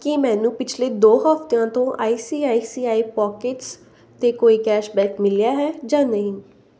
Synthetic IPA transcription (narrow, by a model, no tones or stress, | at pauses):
kɪmɛ̃ːnũːpɪt͡ʃʰleːd̪oːɦəpt̪ãːt̪õːʔaːiːsiːaːiːsiːaːiːpɔːkɪʈs | t̪eːkoːiːkɛːʃbɛ̃ːkmɪlijaːɦɛːd͡ʒãːnəɦĩː